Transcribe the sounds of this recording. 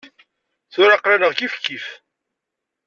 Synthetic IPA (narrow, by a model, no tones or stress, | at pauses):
θʊɾaqɾanəʁɡifkːif